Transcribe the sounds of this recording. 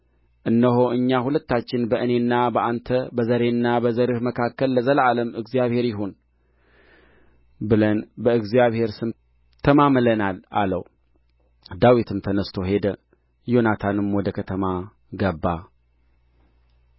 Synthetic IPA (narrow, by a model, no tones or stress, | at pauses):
ʔɨnːəɦo̞ʔɨɲːahulət̪ːat͡ʃːɪnbəʔɨne̞nːabəʔant̪ʰəbəzəɾe̞nːabəzəɾɨhməkʰakːəlːəzəlaləmɨɡzijaβhe̞ɾjɪɦon | bɨlənbəɨɡzijaβhe̞ɾsɨm | t̪ʰəmamlənala̰ləw | d̪awit̪ʰɨmt̪ʰənəst̪ʰo̞ɦe̞d̪ə | jo̞nat̪ʰanɨmwɔd̪əkʰət̪ʰəma | ɡəbːa